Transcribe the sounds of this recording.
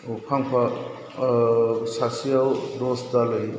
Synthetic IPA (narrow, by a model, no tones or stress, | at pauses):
upʰaŋpʰa | sasiawdosdalɐj